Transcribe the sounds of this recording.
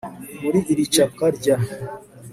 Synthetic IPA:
muɾiʔiɾit͡ʃakaɾɟa

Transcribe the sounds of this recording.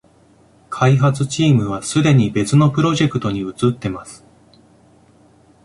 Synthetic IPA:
kʰaiɦat͡sɨt͡ɕiːmɯ̟β̞asɨd̪e̞ɲ̟ibe̞t͡sɨno̞pɯ̟ɾo̞ʑe̞kɯ̟t̪o̞ɲ̟iɯ̟t͡sɨt̪ːe̞masɨ̥

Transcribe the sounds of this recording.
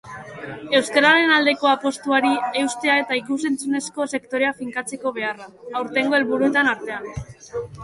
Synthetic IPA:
e̞wskaɾaɾe̞nald̪e̞ko̞apo̞st̪uaɾie̞wst̪e̞ae̞t̪aikuse̞nt͡sune̞sko̞se̞kt̪o̞ɾe̞afiŋkat͡se̞ko̞β̞e̞araawɾt̪e̞ŋɡo̞e̞lβuɾue̞t̪anaɾt̪e̞an

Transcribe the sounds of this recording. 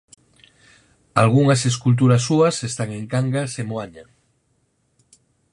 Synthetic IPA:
alɣ̞uŋaseskult̪̬uɾasːuasest̪aŋeŋkaŋɡasemwaɲa

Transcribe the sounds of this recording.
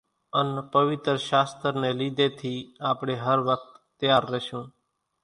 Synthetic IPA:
ənpəʋɪt̪ɾʃaːst̪əɾneːliːd̪eːt̪ʰiːaːpɳeːɦəɾʋək̚t̪ːjaːɾːəʃũː

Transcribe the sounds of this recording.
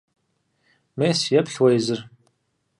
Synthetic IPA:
meːsjɛpɬwɐjzɨr

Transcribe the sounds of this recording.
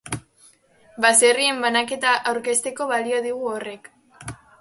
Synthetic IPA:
base̞rie̞mbanake̞t̪aʔawɾke̞st̪e̞ko̞βalio̞ð̞iɣ̞uore̞k

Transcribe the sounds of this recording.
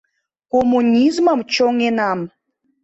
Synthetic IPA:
komːunʲizməmt͡ɕoŋenɑm

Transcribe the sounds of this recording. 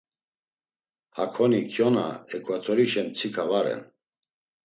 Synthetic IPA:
hakʰɔnikʰjɔna̰ɛkʼvat̪ʰɔɾiʃɛmt͡sʰikʰavaɾɛ̰n

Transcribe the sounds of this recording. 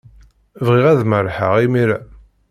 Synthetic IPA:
vʁiʁæðməɾħə̰ʁimiɾæ

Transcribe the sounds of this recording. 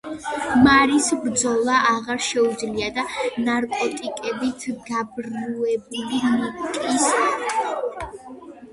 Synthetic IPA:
maɾisbɾd̪zɔlˠaʔaʁaɾʃɛud̪zliad̪anaɾkʼɔt̪ʼikʼɛbit̪ʰɡabɾuɛbulimukʼis

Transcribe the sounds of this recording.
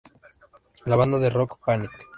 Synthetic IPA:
laβand̪aðerokpanik

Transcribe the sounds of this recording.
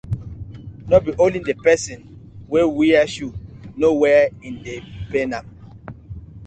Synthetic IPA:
nɔbiʔolĩndepɛsɛ̃nwewiaʃunowɛĩndepenãm

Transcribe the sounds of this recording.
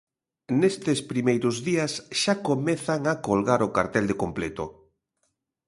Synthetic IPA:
nest̪espɾimejɾʊzðiasʃakomeθaŋakolɣaɾʊka̰ɾt̪ɛld̪ekomplet̪o̰

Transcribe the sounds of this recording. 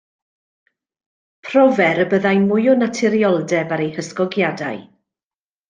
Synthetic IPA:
pʰrɔvɛɾəbəðajmʊjɔnatʰɛɾjɔlˠdɛbaɾejhəskɔɡjadaj

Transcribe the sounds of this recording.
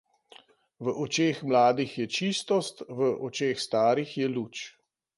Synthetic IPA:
ʋəʔɔt͡ʃeːxmlaːd̪ixjɛt͡ʃist̪ɔst̪ʋəʔɔt͡ʃeːxst̪aːɾixjɛluːt͡ʃ

